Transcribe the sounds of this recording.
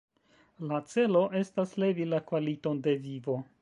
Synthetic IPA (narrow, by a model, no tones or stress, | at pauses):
lat͡se̞lo̞ʔe̞stasle̞vilakvalito̞nde̞vivo̞